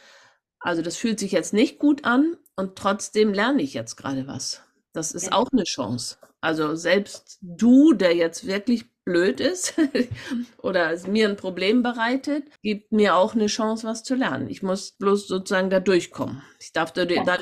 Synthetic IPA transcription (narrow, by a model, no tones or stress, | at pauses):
ʔalzodasfyːltz̥ɪçjɛt͡stnɪçt̚ɡ̥uːtʔanʔʊntʁ̥ɔt͡sd̥eːmlɛɐnəɪçjɛt͡stɡ̥ʁa̰ːdəva̰s | d̥asɪstʔa̰ʊxnəʃɔ̰̃ŋsʔalzozɛlpstd̥uːdeːɐjɛt͡stv̥ɪɐklɪçb̥løːtɪst | ʔo̰ːɾɐsmiːɐnpʁ̥obleːmbəʁaɪtətɡ̥iːp̚t̚miːɐaʊxnəʃɑŋsv̥ast͡sulɛɐnə̰nɪ̰çmʊsb̥loːsz̥oːt͡suzaːɡŋ̩dadʊɐçkʰɔ̰mənɪçd̥aɐfd̥add̥a